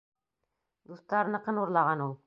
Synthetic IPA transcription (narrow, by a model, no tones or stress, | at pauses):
d̪ust̪ɑɾnɤ̆qɤnuɾlˠɑʁɑnulˠ